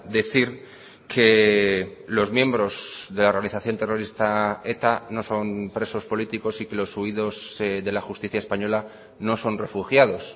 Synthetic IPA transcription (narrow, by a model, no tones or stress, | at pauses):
d̪e̞θiɾ | kʰe̞ | lo̞zmje̞mbɾo̞zðe̞lao̞ɾrɣaniθaθjo̞nt̪e̞ro̞ɾist̪ae̞t̪ano̞so̞npɾe̞so̞spo̞lit̪iko̞sike̞lo̞suiðo̞zðe̞laxust̪iθjaespaɲo̞la | no̞so̞nre̞fuxjaðo̞s